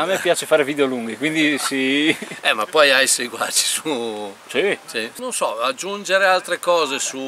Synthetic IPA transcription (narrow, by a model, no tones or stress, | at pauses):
amːɛpːjaːt͡ʃefaːɾevid̪eoluŋɡekwind̪isiɛmapːɔjajseɡwa̰t͡ʃi̥susisinõnsɔad͡ʒːund͡ʒeɾealt̪ɾekɔːzesu